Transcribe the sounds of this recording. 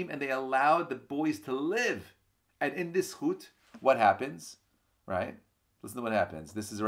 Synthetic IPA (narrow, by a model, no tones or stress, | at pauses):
mɨ̃nðeɪəlaʊd̪̚ðɨbɔɪz̥tʰəlɪv | ɨ̃nɪ̃nðɪshut | wʌt̚hæpɨ̃nz̥ | ɹʔa̰ɪt̚ | lɪsn̩tʰəwʌt̚hæpɨ̰̃nzðɪsɨzə